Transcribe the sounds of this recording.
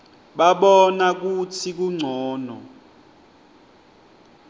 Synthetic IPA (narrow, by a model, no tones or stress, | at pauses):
ɓaɓɔnak̬utʰik̬uŋ͡ǀʱɔːnɔ